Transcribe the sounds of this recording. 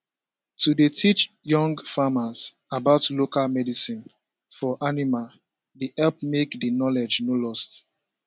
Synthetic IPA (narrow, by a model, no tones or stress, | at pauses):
tudetʰit͡ʃ | jɔ̃ŋɡfamaz̥ | abaʊtlokalmɛdisĩn | fɔʔanimal | diʔɛlp̚mekdinɔlɛd͡ʒnolɔst